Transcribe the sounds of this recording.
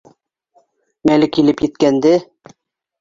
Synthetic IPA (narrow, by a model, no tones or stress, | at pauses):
mælɪkʲʰilɪpjet̪̚kʲænd̪ɪ